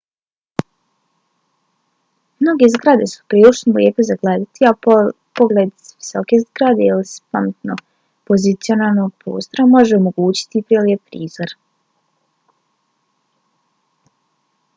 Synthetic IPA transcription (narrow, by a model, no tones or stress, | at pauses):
mno̞ɡe̞zɡɾad̪e̞su̥pɾiːlˠit͡ʃnoljeːpozaɡled̪at̪ia | po̞ɡled̪sʋisokezɡɾad̪e̞ilispamet̪no̞ | po̞zit̪sio̞naːlˠno̞ɡpɾo̰ːst̪o̞ɾamo̞ʒeomo̞ɡuːt͡ɕi̥t̪ipɾeliepɾiːzoɾ